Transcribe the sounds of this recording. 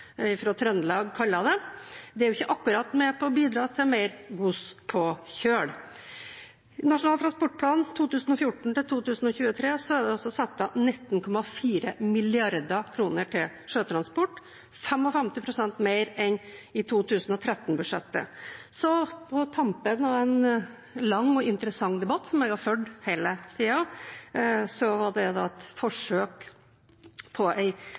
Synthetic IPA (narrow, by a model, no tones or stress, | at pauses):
ɪfɾoːt̪ʰɾœnlɑːɡkʰɑlːɑd̪ɛd̪ɛæɾjʊɪçːəʔɑkːʉɾɑt̪mɛpʰɔɔbiːd̪ɾɑːt̪ʰɪlmeɪɾɡuspʰɔçøːɽ | nɑʂʊnɑːlt̪ɾɑnspɔʈ̚ːpʰlɑːnt̪ʰuːt̪ʉːsn̩ɔfjʊʈːɳ̩t̪ɪlt̪ʰuːt̪ʉːsn̩ɔçʉːət̪ʰɾeːsɔæɾɖ̪ɛɑlsɔsɑt̪ːɑnɪt̪ːnkʰɔmɑfiːɾəmɪlɪɑɾd̪ɑkʰɾuːnəʈʰɪl | ʂøːt̪ʰɾɑnspɔʈː | fɛmɔfɛmt̪ɪpʰɾʊsɛnt̪meɪɾɛnɪt̪ʰuːt̪ʰʉːsnɔt̪ʰɾɛt̪ːnbʉʂɛ̰t̪ːə̰sɔpʰɔt̪ʰɑmpənɑʋæɪn | lɑŋːɔɪnt̪əɾəsɑŋːd̪ɛbɑt̪ːsɔmɛɡɑɾføɖhæɪlət̪ʰiːɑ | sɔʋɑɖɛd̪ɑ̰ːɛt̪fɔʂøːk | pʰɔʔæɪ